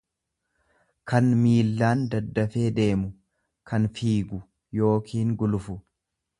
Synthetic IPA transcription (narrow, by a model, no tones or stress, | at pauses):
kɐnmiːlːaːnd̪ɐd̪ːɐfe̞ːd̪e̞ːmʊ | kʰɐnfiːɡʊ | jo̞ːkʰiːŋɡʊlʊfʊ